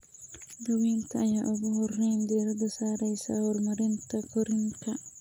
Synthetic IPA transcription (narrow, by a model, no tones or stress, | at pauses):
d̪ɐwiːnt̪ʰɐɐjaːʔʊɣʊhɔrːɛjnd̪ɛːɾɐd̪ɐsaːɾɛjsa̰hɔrmɐɾɪnt̪ʰɐkɔɾɪŋkʰɐ